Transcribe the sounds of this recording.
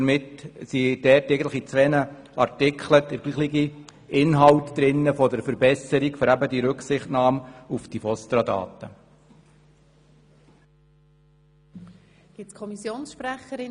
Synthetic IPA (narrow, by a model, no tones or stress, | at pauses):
mɪtsid̥ɛːrtːɛɪɡəntləχit͡sʋɛːnə | ɑɾtɪkʰχləd̪̥əɾɡ̥liːχliɡi | ʔɪnɦɑwtd̥̪ɾɪnːəfɔdəɾfəɾbɛsəɾikføɾæbədiɾɵksɪχtnɑːmufd̥ifɔst̪ɾɑd̪ɑ̰ːtə | ɡ̥ɪt͡skʰɔmisjoːnsʃpɾæχəɾɪ